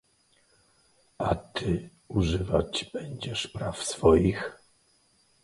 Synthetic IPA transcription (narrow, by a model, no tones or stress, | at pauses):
at̪ʰɘ | uʐɘvat͡ɕb̥ɛɲd͡ʑɛʂpɾafsfɔjix